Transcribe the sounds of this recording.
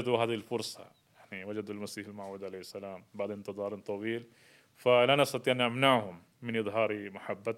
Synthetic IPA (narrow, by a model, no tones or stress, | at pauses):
d̪uɦaːðilfʊɾsˤɑ̰ | jaʕniwad͡ʒad̪ulmasiːħɪlmaʕuːd̪ʕalajhɪsːalaːmbaʕd̪ɪnt̪ɨðˤɑːɾˤnt̪ˤɑwiːl | falanʔɑst̪ɑt̪ˤiːʔanʔamnaʕhʊmːɪnʔɨðˤɦɑːɾimaħabːa